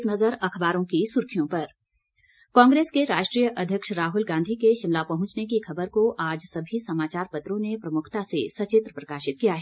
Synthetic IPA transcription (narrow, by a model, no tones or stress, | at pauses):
knɐzəɾɐkʰbaːɾõkisʊɾkʰijõpɐɾ | kãːŋɡɾeːskeɾaːʃʈɾijəʔɐd̪ʱjəkʃɾaːɦʊlɡãːnd̪ʱikeʃɪmlapɐɦʊ̃t͡ʃnekikʰɐbəɾkoʔaːd͡ʒsɐbʱisɐmaːt͡ʃaːɾpɐt̪ɾõnepɾɐmʊkʰt̪asesɐt͡ʃɪt̪ɾəpɾɐkaːʃɪt̪̚kijaɦɛː